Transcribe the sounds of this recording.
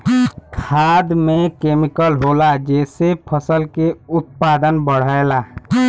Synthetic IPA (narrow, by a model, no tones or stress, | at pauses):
kʰaːd̪mẽkeːmikəlɦoːlad͡ʒɛːsepʰəsəlkeʊt̪̚paːd̪ənbəɽ̤əela